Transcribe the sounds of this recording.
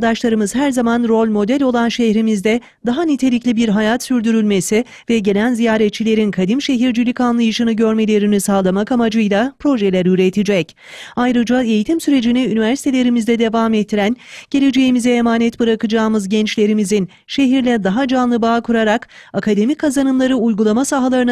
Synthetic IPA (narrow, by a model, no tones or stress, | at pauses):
d̪aʃlˠaɾɯmɯz̥hæɾzamanɾo̞lʲmo̞d̪ɛlʲo̞lˠanʃɛhɾimizd̪ɛ | d̪aɦanit̪ʰe̞lʲiclʲibiɾɦajat̪syɾd̪yɾylʲme̞si | vɛɟe̞lʲænzijaːɾɛt̪̚t͡ʃʰːilʲe̞ɾinkʰad̪imʃe̞ɦiɾd͡ʒilʲickanlˠajɯʃɯnɯɟø̞ɾme̞lʲe̞ɾinisaːlˠamakamad͡ʒɯjlˠapɾo̞ʒelʲæɾyɾet̪ʰid͡ʒɛc | ajɾɯd͡ʒae̞jit̪ʰimsyɾe̞d͡ʒiniynivæɾsi̥t̪e̞lʲe̞ɾimizd̪ɛd̪e̞vaːmet̪ʰːiɾænɟ̥e̞lʲe̞d͡ʒe̞jimizɛːmaːnɛt̪bɯɾakɯd͡ʒaːmɯzɟɛnt͡ʃlʲe̞ɾimizin | ʃe̞ɦiɾlʲɛd̪aɦad͡ʒanlˠɯbaːkʰuɾaɾakakʰad̪e̞mikʰazanɯmlˠaɾɯujɡulˠamasaɦalˠaɾɯn